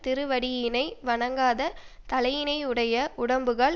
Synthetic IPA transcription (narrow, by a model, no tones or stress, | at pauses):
t̪ɪɾɯʋɐɽɪjɪnɐɪʋɐɳɐŋɡaːðɐ | t̪ɐlɐjɪnɐɪɯɽɐjɐʔʊɽɐmbɯɣɐɭ